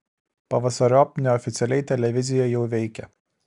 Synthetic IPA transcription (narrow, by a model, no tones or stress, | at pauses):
pɐʋɐsɐɾʲoːpnʲɛɔfʲɪt̪sʲɛlʲɛɪt̪ʲɛlʲɛʋʲɪzʲɪjoɪjɛʊʋʲɛɪkʲɛ